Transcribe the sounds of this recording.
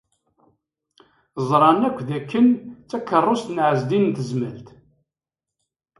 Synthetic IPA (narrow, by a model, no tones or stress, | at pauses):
zˤɾˤɑnækʷːðækːənt͡sːækːərˤːost̪nʕəzd̪innt̪əzməlt̪